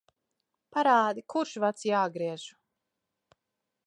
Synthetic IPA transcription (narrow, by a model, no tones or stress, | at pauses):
paɾaːd̪ikuɾʃvat̪sjaːɡɾiɛʒ̥u̥